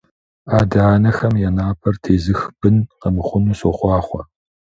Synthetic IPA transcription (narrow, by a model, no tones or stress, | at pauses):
aːdaːnɐxɐmjɛnaːpʰɐrtʰeːzɨxb̥ɨnqəbɨχʷʊnuːsoχʷɑːχʷɔ